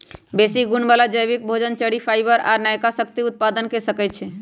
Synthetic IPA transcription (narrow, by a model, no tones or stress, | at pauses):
besiɡuɳbalad͡ʒəjbik̚bʱod͡ʒənt͡ʃəɽipʰajbəɾa̰ɾnajkasəkt̪iut̪̚pad̪ənkesəkɛt̪t͡ʃʰɛ